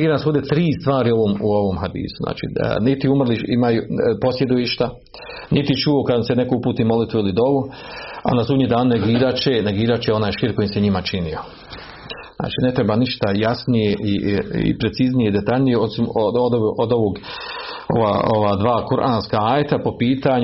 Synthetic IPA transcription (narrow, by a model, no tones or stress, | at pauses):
ɡiːɾanasoːd̪et̪ɾiːst̪ʋaːɾio̞ʋoːmuo̞ʋoːmɦad̪ḭːsuzna̰ːt͡ʃḭnit̪iumrliʃimajupo̞sje̞d̪oiʃt̪a | nit̪it͡ʃuokad̪sene̞koupuːt̪imo̞lit̪ʋuilid̪o̞ʋu | a̰nasuːd̪ɲid̪aːnneɡiːɾat͡ʃeneɡiːɾat͡ʃeo̞naːjʃiːɾko̞jiseɲimat͡ʃinijo | za̰ːt͡ʃiːne̞t̪ɾebaniʃt̪ajasnije̞ʔiḭpɾe̞t̪siznijeid̪e̞t̪aʎnijeosimood̪ʔod̪oʋoːɡ | oʋaoʋaːd̪ʋaːkuɾʔaːnskaaːjet̪apo̞piːt̪aɲ